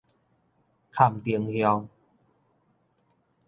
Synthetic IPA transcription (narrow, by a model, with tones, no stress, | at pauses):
kʰa˨˩mt̪i˨əŋhjɔ˧ŋ